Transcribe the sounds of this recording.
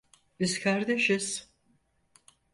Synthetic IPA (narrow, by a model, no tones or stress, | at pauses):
bizkʰaɾd̪eʃiz̥